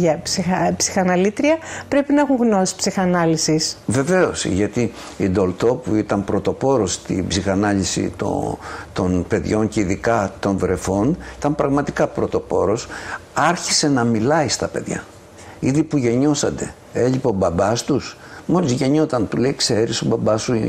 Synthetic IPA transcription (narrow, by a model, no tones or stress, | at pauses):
ʝɐsipsi̥xɐnɐlit̪ɾiɐpɾe̞pinɐexuŋɣnosi̥spsixɐnɐlisisve̞ve̞o̞sʝɐt̪i | ind̪o̞lt̪o̞puit̪ɐmpɾo̞t̪o̞po̞ɾo̞st̪ḭbsixɐnɐʎisḭt̪o̰t̪o̞npe̞ðʝo̞ɲceiðikɐt̪o̞nðɾe̞fo̞nit̪ɐmpɾɐɣmɐt̪ikɐpɾo̞t̪o̞po̞ɾo̞sɐɾçise̞nɐmilɐist̪ɐpe̞ðʝɐ̰ | iðipuʝe̞ɲo̞sɐt̪e̞̰ | eʎipobɐbɐst̪us | mo̞lizʝe̞ɲo̞t̪ɐnt̪ule̞ikse̞ɾisobɐbɐsu